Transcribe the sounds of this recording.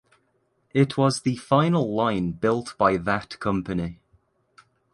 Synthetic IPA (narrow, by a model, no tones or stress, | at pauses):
ɪʔʰwɒzðəfãɪ̃nəlˠlãɪ̃nb̥ɪlˠʔb̥aɪðəʔkʰʌ̃mpəni